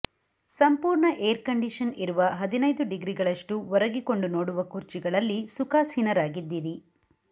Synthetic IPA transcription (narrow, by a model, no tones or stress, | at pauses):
sɐmpuːɾɳɐʔeːɾkɐɳɖiʂɐniɾuʋɐɦɐd̪inɐjd̪uɖiɡɾiɡɐɭɐʂʈuʋɔɾɐɡiko̞ɳɖunoːɽuʋɐkuɾt͡ʃiɡɐɭɐlːisukaːshinɐɾaːɡid̪ːiːɾi